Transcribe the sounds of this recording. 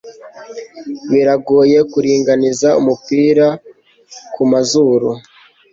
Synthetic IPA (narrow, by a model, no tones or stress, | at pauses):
βiɾaɡoːje̞kuɾiːŋɡanizaṵmupiːɾa | kʰumazuɾu